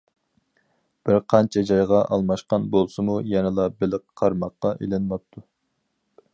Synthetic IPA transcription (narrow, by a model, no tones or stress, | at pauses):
b̥ɪɾqʰɑnt͡ʃʰɛd͡ʒɑjʁɑʔɑlˠmɑʃqɑnbolˠsɨmujɛnɨlˠɑbɪlɪqqʰːɑɾmɑqːɑʔḛlɪnlɑp̚t̪ʰu